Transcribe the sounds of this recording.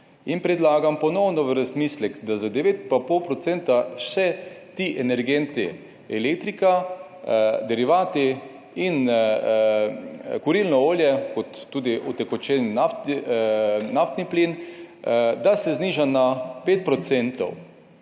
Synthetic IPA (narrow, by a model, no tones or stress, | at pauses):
inpɾɛd̪laːɡampɔnɔwnɔʋəɾazmiːslɛɡd̪azad̪ɛʋeːt̪papowpɾɔt̪sent̪asɛt̪iːʔɛnɛɾɡent̪i | ɛlek̚t̪ɾika | d̪ɛɾiʋaːt̪i | in | kʊɾilnɔoːljɛkɔt̪ːuːd̪iʔɔt̪ɛkɔt͡ʃɛnnaft̪ | naft̪niplin | d̪asɛzniːʒanapeːt̪̚pɾɔt̪sent̪ɔ̰w